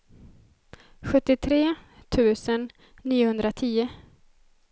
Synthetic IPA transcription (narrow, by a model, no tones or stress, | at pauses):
ɧɵt̪ːɪt̪ʰɾeːt̪ʰʉ̟ːsənː | iːʊhɵnd̪ɾat̪ʰiːʊ